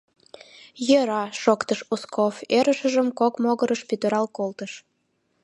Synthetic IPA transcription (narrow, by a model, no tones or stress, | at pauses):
jəɾɑʃokt̪əʃuskʰofeɾəʃəʒəmkokmoɣəɾəʃpyt̪əɾɑlkolt̪əʃ